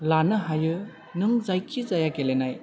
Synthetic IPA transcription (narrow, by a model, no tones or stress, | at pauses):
lanɯɦajɯ | nɯŋzajkʰːizajaɡelenaj